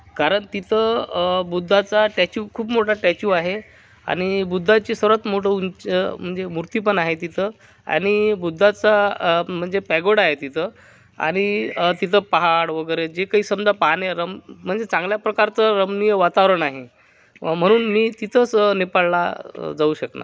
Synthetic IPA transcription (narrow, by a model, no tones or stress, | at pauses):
kaɾəɳt̪it̪ʰəbud̪ʱːat͡saʈɛt͡ɕuːkʰuːpmoʈʰaʈɛt͡ɕuːaɦe | a̰ɽ̃ibud̪ʱːat͡ɕiːsəɾat̪moʈəunt͡ɕəm̤əɳd͡zemuɾt̪iːpənaɦet̪it̪ʰə | a̰ɽ̃ibud̪ʱːat͡sam̤əɳd͡zepɛɡoɽaɦet̪it̪ʰə | a̰ɽ̃it̪it̪ʰəpaɦaɽʋəɡəɾed͡ʑekaɦiːsəmd͡zapaɦneɾəmm̤əɳd͡zet͡sãŋɡljapɾəkaɾt͡səɾəmnijəʋat̪aʋɾəɳaɦe | m̤əɽ̃uːnmiːt̪it̪ʰət͡snepalla̰d͡zauːɕəkna̰